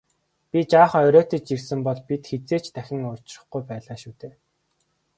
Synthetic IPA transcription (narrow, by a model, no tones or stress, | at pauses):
pʲit͡ɕaːχœɾʲoːt̪ĕt͡ɕt͡ɕirsɘ̆mpɔɮpit̪xet͡seːt͡ɕt̪ʰæxʲɪ̆ŋʊr̥t͡ɕrə̆χɡujpæːɮaːʃuːt̪eː